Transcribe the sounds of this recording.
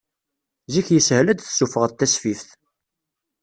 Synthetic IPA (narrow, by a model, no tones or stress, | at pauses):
ziçjəshəlæd̪θsufəʁðt̪ːæsfifθ